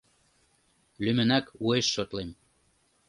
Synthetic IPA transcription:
lymɘ̆nækueʃːot̪lem

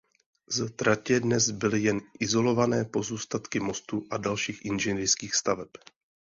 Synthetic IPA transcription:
zat̪ɾacɛdnɛzbɪlɪjɛnʔɪzo̞lo̞vanɛːpo̞zuːst̪at̪kɪmo̞st̪uʔadalʃiːxʔɪnʒɛnɪɾskiːxst̪avɛp

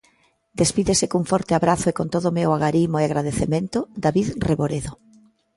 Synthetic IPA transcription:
d̪espiðesɪkuŋfɔɾt̪eaβɾaθʊekont̪oðʊmewaɣaɾimoeaɣɾaðeθemẽnt̪ʊd̪aβiðreβoɾeðo

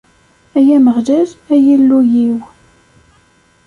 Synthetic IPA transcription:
æjæməʁðæzæjilːujiw

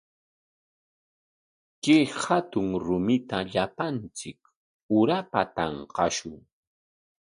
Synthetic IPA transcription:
kɪhat̪ʊŋɾʊmɪt̪aʎapant͡sɪk | ʊɾapa̰t̪ɑɴqɑʃʊŋ

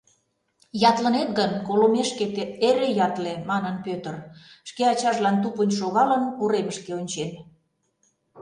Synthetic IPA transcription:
jɑt̪lənet̪̚ɣənkolomeʃket̪eeɾejɑt̪lemɑnənpøt̪ə̆rʃkeɑt͡ɕɑʒlɑnt̪̬upənʲʃoɣɑlənkuɾeməʃkeonʲt͡ɕem

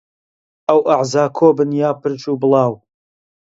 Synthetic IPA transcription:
ʔɐwʔaʕzaːkʰoːbɨnjaːpɨɾt͡ʃuːbɨlˠɑːw

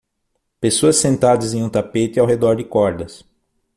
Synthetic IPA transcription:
pesoɐsːẽnt̪ad̪ɐzẽũt̪apet̪ɪawɦed̪ɔɾd͡ʒ̪ɪkɔɾd̪ɐs

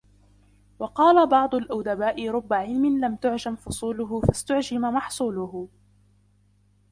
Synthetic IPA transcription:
wɑqɑːlabɑʕd̪ˤʊlʔawd̪abaːʔɪɾˤʊbːaʕɪlmɪnlamt̪ʊʕd͡ʒamfʊsˤuːlʊɦʊfast̪ʊʕd͡ʒɪmamɑħsˤuːlʊh

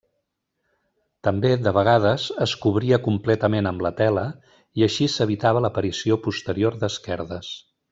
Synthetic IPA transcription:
t̪əmbeðəβəɣ̞að̞əzəskuβɾiəkumplɛt̪əmenəmlət̪ɛlə | iəʃisəβit̪aβələpəɾisiopust̪əɾioɾd̪əskɛɾðəs

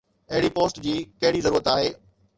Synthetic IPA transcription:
ɐɦɪɽipoːsʈd͡ʑiːkɐɦɪɽizɐɾuːɾət̪aːɦeː

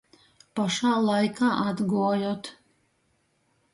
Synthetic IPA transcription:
paʃaːlˠajkaːʔad̪ɡuɔjot̪

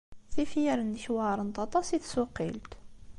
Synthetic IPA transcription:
θifjəɾənːəçwaɾˤənt̪ˤɑt̪ˤɑsiθsuqːilt̪

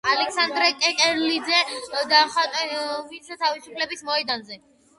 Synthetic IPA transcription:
alɛksand̪ɾɛkʼɛkʼɛɾlid̪zɛd̪aχat̪ʼɛvinsat̪ʰavisupʰlɛbismɔɛd̪anzɛ

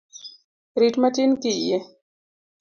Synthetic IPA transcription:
ɾiʈmatinkije

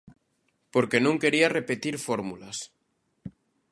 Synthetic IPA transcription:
po̞ɾke̞nũŋke̞ɾiare̞pet̪iɾfoɾmulas

